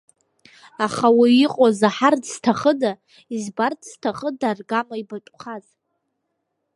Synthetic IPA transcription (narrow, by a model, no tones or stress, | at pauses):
aχawiːiqʼozaħardz̥tʰaχəda | izbardz̥tʰaχədarɡamaibaʈ͡ʂʼχaz